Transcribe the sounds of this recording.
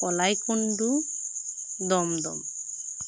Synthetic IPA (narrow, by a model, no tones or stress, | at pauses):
ɔlajkuɳɖu | d̪ɔmd̪ɔ̰m